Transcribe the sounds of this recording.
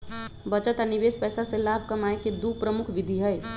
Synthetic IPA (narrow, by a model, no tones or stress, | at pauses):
bət͡ʃət̪anɪʋeːspɛːsaselaːbʱkəmaːeked̪upɾəmʊkʰʋɪd̪ʱiɦəj